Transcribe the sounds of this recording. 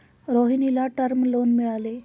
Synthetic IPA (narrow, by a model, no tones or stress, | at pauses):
ɾoɦinilaʈəɾmlonmiɭale